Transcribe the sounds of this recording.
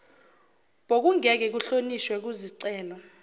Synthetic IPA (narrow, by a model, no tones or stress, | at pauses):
ɓ̥ok̬uŋɛk̬ɛk̬uɬoniʃwɛk̬uziǀɛːlɔ